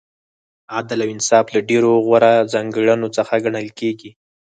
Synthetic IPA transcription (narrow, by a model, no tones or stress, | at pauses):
ad̪alawɪnsɑflaɖeɾoɣwaɾazɑŋɡəɽənot͡səxaɡaɳəlkeɡi